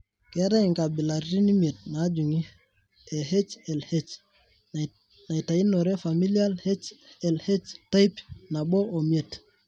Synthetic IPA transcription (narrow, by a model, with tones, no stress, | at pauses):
ke˦ɾa˦i˨ŋka˨bi˨la˨ɾi˦ni˦mi˨e˨t̚na˨˦d͡ʒu˨ŋi˦ | e˨ɦe˦t͡ʃe˨lhe˦t͡ʃ | na˨i˨ta˨i˦no˨ɾe˦fa˨mi˦li˦a˦lhe˦t͡ʃe˨lhe˦t͡ʃta˦pna˨ɓo˦ʔo˨mi˨e˨t